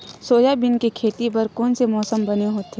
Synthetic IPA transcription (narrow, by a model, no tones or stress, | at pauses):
soːjabɪnkekʰeːt̪ipɐɾkoːnsemɔːsəmbɐneɦoːt̪e